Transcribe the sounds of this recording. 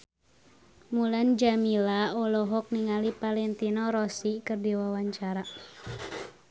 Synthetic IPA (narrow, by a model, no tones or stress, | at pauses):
muland͡ʒamilaɔlɔɦɔk̚niŋalipalɛnt̪inɔɾɔsikɨrdiwawaɲt͡ʃaɾa